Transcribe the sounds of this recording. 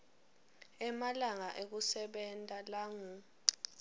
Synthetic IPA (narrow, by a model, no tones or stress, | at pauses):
ɛmalaŋaʔek̬usɛɓɛntʼalaŋu